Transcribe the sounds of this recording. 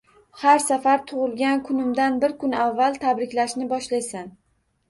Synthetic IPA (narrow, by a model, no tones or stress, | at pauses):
haɾsafaɾt̪ʰʊʁɨlˠɡʲankʰʊnɪmd̪anbɪɾkʰʊnavːalˠt̪ʰabɾɪkʲlaʃnɪbɒʃlajsan